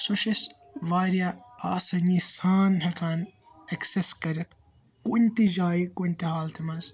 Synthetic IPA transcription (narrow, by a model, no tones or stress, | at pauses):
soʃis | ʋaːɾjaa̰ːsɐnisaːnɦɐkʰaːn | ɐkseskɐɾɐt̪ | kunt̪id͡ʒaːikunʲt̪iɦaːlt̪ʰimɐz